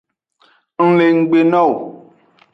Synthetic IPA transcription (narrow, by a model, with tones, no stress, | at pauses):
ŋ̩˦le˨ŋ̩˦ɡ͡be˨nɔ̃˦˨w